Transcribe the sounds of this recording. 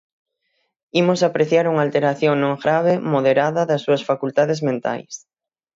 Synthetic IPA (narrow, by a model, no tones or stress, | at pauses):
imosapɾeθjaɾuŋalt̪eɾaθjoŋnõŋɡɾaβ̞ɪmoðeɾaðɐðɐsːuɐsfakult̪aðɪzmẽnt̪a̰js